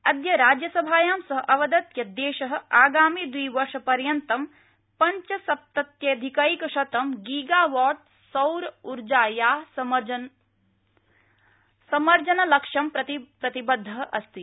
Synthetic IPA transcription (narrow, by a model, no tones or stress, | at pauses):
ɐd̪jɐɾaːd͡ʒjɐsɐbʱaːjaːmsɐɦɐ̆ʔɐʋɐd̪ɐt̪jɐd̪eːʃɐɦɐ̆aːɡaːmiːd̪ʋiːʋɐɾʃɐpɐɾjɐnt̪ɐm | pɐɲt͡ʃɐsɐp̚t̪ɐt̪jɐd̪ʱikɐikɐʃɐt̪ɐmɡiːɡaːʋɔːʈ̚ | sɐwɾuɾd͡ʒaːjaː | sɐmɐɾd͡ʒɐnɐlɐkʂɐmpɾɐt̪ipɾɐt̪ibɐd̪ʱːɐɦʔɐst̪i